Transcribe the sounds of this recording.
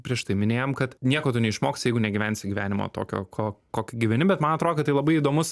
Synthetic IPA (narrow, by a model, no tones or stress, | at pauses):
pʲɾʲiɛʃt̪ɐɪmʲɪnʲeːjoːmkɐt̪nʲiɛkoːt̪ʊnʲɛɪʃmoːksʲjɛɪɡʊnʲɛɡʲɪʋʲæːnʲsʲɪɡʲʋʲæːnʲɪmo̰ːt̪o̰ːkʲo̰ːkʰoːkoːkʲɪɡʲɪʋʲɛnʲɪbʲɛt̪mɐnɐt̪ɾoːd̪kɐtɐɪlˠɐbɐɪiːd̪oːmʊs